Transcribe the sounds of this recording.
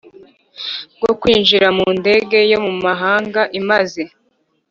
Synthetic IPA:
ɡ̥okwiːnʒiɾamuːnde̞ɡe̞jo̞mumaɦaːŋɡaʔimaze̞

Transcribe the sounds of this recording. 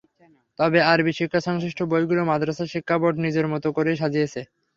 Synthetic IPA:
t̪ɔbeaɾbiʃojkʰːaʃɔŋsɾiʃʈʰobojɡulomad̪ɾasaʃikʰːaboɖnid͡ʑeɾmɔt̪okoɾeʃ̬ad͡ʑiet͡ɕʰe

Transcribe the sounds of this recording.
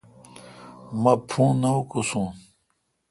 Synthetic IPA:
mɐpʰũːnɐukusũ

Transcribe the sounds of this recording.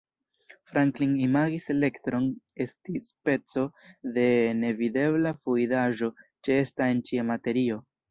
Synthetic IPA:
fɾaŋkliŋimaɡise̞le̞ktɾo̞ne̞stispe̞t͡so̞de̞ne̞vide̞blafuidaʒo̞t͡ʃeestae̞nt͡ʃiamate̞ɾio̞

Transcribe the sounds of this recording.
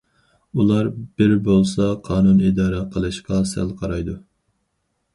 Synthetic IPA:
ulˠɑɾb̥ɪɾbolˠsɑqʰɑːnunid̪ɑːɾɛqʰəlˠɨʃqɑsæ̰lqʰɑɾɑjd̪u

